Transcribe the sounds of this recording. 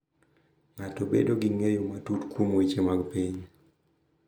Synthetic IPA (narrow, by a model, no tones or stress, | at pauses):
ŋatobḛdoɡiŋejomatutkwomoit͡ʃemaɡpiɲ